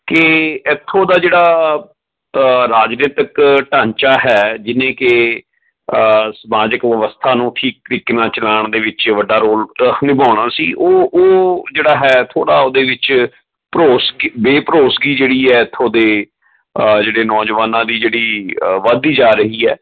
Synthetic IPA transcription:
kɪɪt̪ʰːõːd̪aːd͡ʒeːɽaː | ɾaːd͡ʒneːt̪əkʈãːɲt͡ʃaːɦɛːd͡ʒɪnẽːkɪ | səmaːd͡ʒəkʋəʋəst̪ʰaːnũːʈʰiːk̚ɾɪknãːt͡ʃəlaːɳd̪eːʋɪt͡ʃʋəɖaːɾoːlnɪbaːɽ̃aːsḭːʔoːʔoːd͡ʒeːɽaːɦɛːt̪ʰoːɽaːoːd̪eːʋɪt͡ʃ | pɾoːsɡbeːpɾoːsɡiːd͡ʒeːɽiːɛːɪt̪ʰːõːd̪eː | d͡ʒeːɽeːnɔːd͡ʒʋaːnãːd̪iːd͡ʒeːɽiːʋaːd̪iːd͡ʒaːɾəɦiːɛː

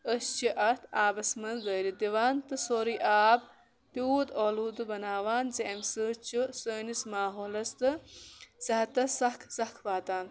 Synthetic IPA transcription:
əst͡ʃiʔɐt̪ʰaːbɐsmɐnzɐːɾid̪iʋaːnt̪ɨsoːɾiʔaːb̚ | puːd̪oːluːd̪ɨbɐnaːʋaːnzeɐmsɨːt͡ʃusəːnismaːɦoːlɐst̪ɨzɐɦɐt̪ɐsɐkʰsɐhkʰbaːt̪aːn

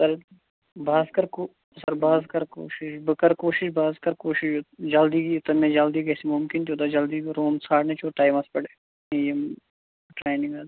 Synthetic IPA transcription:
sɐɾ | bʱaːzkɐɾko | sɐɾbaːzkɐɾko̰ːʃɪʃbəkɐɾkoːʃiʃbaːzkɐɾkoːʃɪʃoːd͡ʒɐld̪iːkit̪ɐmẽːd͡ʒɐld̪ikɛːsimʊmkɪnt̪ʰioːt̪ad͡ʒɐld̪iɾoːmsaːʈnẽt͡ʃʰoʈaːjmɐspɐɽeː | ejem | ʈɾeːnɪ̃ŋɡa

